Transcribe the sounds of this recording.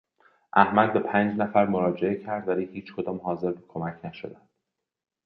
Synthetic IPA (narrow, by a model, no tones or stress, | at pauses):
ʔæhmæd̪̚bepʰænd͡ʒnæfæɾmoɾɒːd͡ʒeecʰæɾd̪væɾijhiːt͡ʃkʰo̞d̪ɒːmhɒːze̞ɾbekʰomæcʰnæʃo̰d̪ænd̪̥